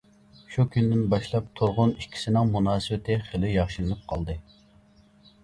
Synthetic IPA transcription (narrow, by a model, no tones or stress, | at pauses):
ʃukʲynd̪ɪnbɑʃlˠɑp̚t̪ʰuɾʁʊnikʲʰːi̥sɪnɪŋmunɑːsɨbɪt̪ʰɪχelɪjɑχʃɨlˠɨnɨp̚qʰɑlˠd̪ɨ